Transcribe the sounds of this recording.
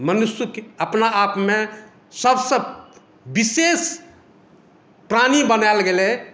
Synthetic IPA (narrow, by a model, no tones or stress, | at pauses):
mənusjukəpnaapme | səbsəb | bises | pɾanibənalɡele